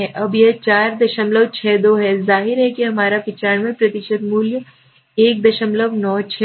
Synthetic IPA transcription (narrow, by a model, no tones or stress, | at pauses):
ɛʔɐbjet͡ʃaːɾd̪ɐʃəmləʋt͡ʃʰɛːd̪oːɦɛzaːɦɪɾɦɛkiɦɐmaːɾapɪt͡ʃaːɳmẽpɾɐt̪ɪʃəd̪muːljə | eːk̚d̪ɐʃəmləʋnɔːt͡ʃʰɛ